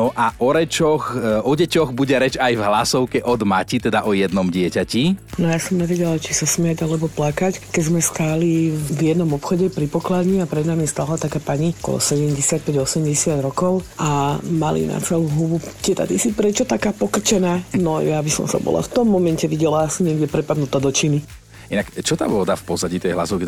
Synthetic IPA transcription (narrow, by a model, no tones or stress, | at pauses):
ɔʔaʔɔɾɛt͡ʃɔxɔɟɛcɔɣbuɟɛɾɛd͡ʒajvɦlasɔʊkɛʔɔd̪macit̪ɛd̪aʔɔjɛd̪nɔmɟɪɛcacinɔjasɔmɲɛʋɛɟɛlat͡ʃisasmɪaɟalɛbɔplakackɛɟzmɛskaːlivjɛd̪nɔmɔpxɔɟɛpɾipɔklad̪ɲiapɾɛd̪namist̪alat̪akaːpaɲikɔ̰lɔ̰sɛɟɛmɟɛsɪac̚pɛɟɔsɛmɟɛsɪad̪ɾɔkɔʊʔamalḭna̰t͡sɛluɦubut̪ɪɛt̪a̰t̪isipɾɛt͡ʃɔt̪akaːpɔkr̩t͡ʃɛnaːnɔjabisɔ̰msa̰bɔ̰la̰ft̪ɔmːɔmɛncɛʋiɟɛlaːsiɲɪɛɡɟɛpɾɛpad̪nut̪aːd̪ɔt͡ʃini | inakt͡ʃɔt̪a̰ːʋɔd̪afpɔzaɟiːt̪ɔjɛɦla̰sɔʊk